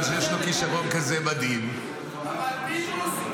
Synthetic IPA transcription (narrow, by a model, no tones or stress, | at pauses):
ʃjɛʃlokiʃaʁonkazemad̪im